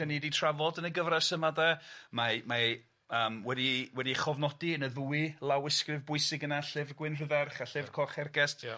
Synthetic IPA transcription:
əniditʰravɔdənəɡəvrasəmadɛmama | əːmwɛdiwɛdiχɔvnɔdiənəðuɨlˠawɪskrɪvbʊɨsɪɡənaɬɪvɡwɪnr̥əðɛrχaɬɪvkʰɔχɛrɡɛst

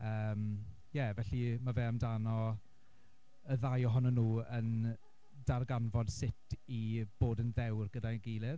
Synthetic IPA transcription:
əːm | jɛvɛɬimavɛːamdanɔ | əðajɔɦɔnɔnuːən | d̥arɡanvɔd̥sɪtʰib̥oːdənðɛwrɡədaɡejlˠɪv

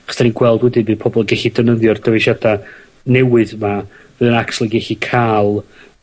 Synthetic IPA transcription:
χə̥sd̥ʰaninɡwɛlˠdwɛdɨbɨːðpʰɔbɔlˠɡɛɬidənəðjɔrdəveʃada | nɛwɨðma | vɨːðənakslˠiɡɛɬikʰaːlˠ

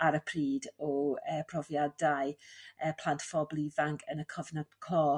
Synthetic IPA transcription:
aɾəpʰriːdɔəːpʰrɔvjadaɨəːpʰl̥ˠantfɔblivaŋkʰənəkʰɔvnadkʰlɔː

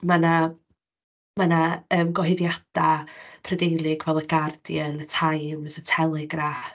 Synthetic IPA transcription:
mana | manaəːmɡɔɦɪvjad̥apʰrədejlˠɪɡvɛlˠəɡard̥jənətʰajmsətʰɛlˠɪɡra

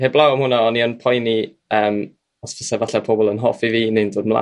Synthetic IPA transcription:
heblˠawɔmhʊnaɔniɔnpʰɔjni | əːm | ɔsfɪsɛvaɬɛpʰɔbɔlˠənɦɔfiviːnendoːdmlˠa̰

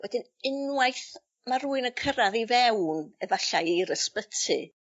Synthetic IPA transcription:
wɛdɪn | ɪnwajθ | maɾuːɨnəkʰəɾaðivɛwnəvaɬajiɾəspətʰɨ

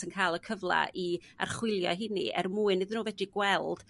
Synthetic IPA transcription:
ənkʰajlˠəkʰəvlˠa̰ʔia̰rχwɪlˠjɔ̰ɦɪnḭʔɛ̰rmuːɨnːɪðənuːvɛdiɡwɛlˠd̥

